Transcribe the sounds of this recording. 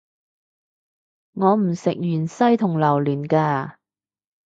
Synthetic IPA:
ŋɔː˨˧˥m̩˨˩sɪ˨k̚jyː˨˩nsɐ˥jt̪ʰʊ˨˩ŋlɐ˨˩wlyː˨˩nkaː˧

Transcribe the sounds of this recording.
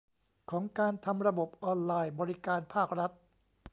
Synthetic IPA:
kʰɔː˩˦ŋkaː˧nt̪ʰa˧mɾa˧bo˨˩p̚ʔɔː˧nlaː˧jbɔː˧ɾi˦˥kaː˧npʰaː˥˩k̚ɾa˦˥t̪̚

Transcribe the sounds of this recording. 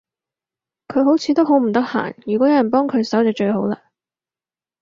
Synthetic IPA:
kʰɵ˨˧ɥɦo˨˥wt͡sʰiː˨˧t̪o˥wɦo˨˥wm̩˨˩t̪ɐ˥k̚ha̰ː˨˩njyː˨kʷɔː˨˥jɐ˥jɐ˨˩npɔː˥ŋkʰɵ˨˧ɥsɐ˨˥wt͡sɐ˨˧t͡ʃɵ˧ɥho˨˥wlaː˧

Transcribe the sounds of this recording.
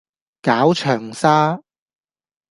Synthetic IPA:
kaː˨˥wt͡ʃʰœː˨˩ŋsaː˥

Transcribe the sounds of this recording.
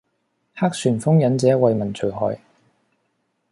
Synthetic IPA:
haː˥k̚syː˨˩nfʊ˥ŋjɐ˨˥nt͡sɛː˨˦˥wɐ˨˧jmɐ˨˩nt͡sʰɵ˨˩ɦɔ̰ː˨˩j

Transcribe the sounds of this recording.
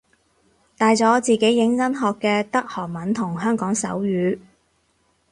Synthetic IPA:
t̪aː˨jt͡sɔː˨˥t͡siː˨˩ke˨˥jːɪ˨˥ŋt͡sɐ˥nɦɔː˨˧kːɛː˧t̪ɐ˥k̚hɔː˨˩ŋ̚mɐ˨˥nt̪ʰʊ˨˩ŋɦœː˥ŋkɔː˨˥ŋsɐ̰˨˥wjyː˨˧˥

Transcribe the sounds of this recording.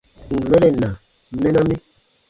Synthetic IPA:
ŋ̩˨wɛ˦lɛ˦˨na˨˦ | mɛ˦na˦mi˦

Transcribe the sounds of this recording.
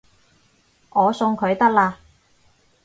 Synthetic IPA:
ŋɔː˨˧sʊ˧ŋkʰɵ˨˧ɥt̪ɐ˥k̚laː˧

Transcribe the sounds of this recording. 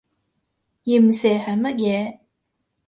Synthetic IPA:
jiː˨˩m̩˨sɛː˨˩hɐ˨jmɐ˥t̚jɛː˨˧

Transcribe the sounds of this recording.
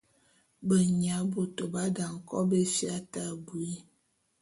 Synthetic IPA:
bə˨ɲa˨˦bo˨to˨ba˦da˨ŋ̩˨kɔ̰˦be˦fja˦ta˦˨bu˨i˦

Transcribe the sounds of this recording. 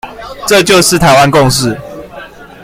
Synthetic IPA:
ʈ͡ʂɤ˥˨t͡ɕjo˥˨ʊʂɻ̩˥˨t̪ʰa˨˦ɪwa˦nkʊ˥˨ŋʂ̬ɻ̩˥˨

